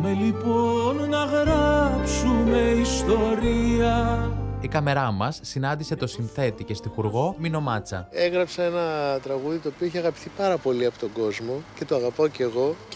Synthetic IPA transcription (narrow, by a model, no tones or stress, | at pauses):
meliponːɐɣɾapsumeist̪o̞ɾiɐikɐme̞ɾɐmɐsːinɐnd̪ise̞t̪o̞sinθe̞t̪ice̞st̪ixuɾɣo̞mino̞mɐt͡sɐ̰e̞ɣɾɐpsɐenɐt̪ɾɐɣuðit̪o̞ːpioeçeɐɣɐpi̥θipɐɾɐpo̞liɐpo̥t̪o̞ɡo̞zmo̞ce̞t̪oɐɣɐpoce̞ɣo̞